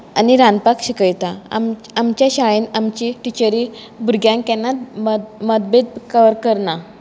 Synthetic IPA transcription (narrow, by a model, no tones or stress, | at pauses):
aniɾanpakɕikəjt̪aa̰m | amt͡ɕjaɕaɭenamt͡ɕiʈit͡ɕəɾi | bʱuɾɡjãŋkɛnːat̪̚mməd̪̚bed̪̚kəʋəɾkəɾna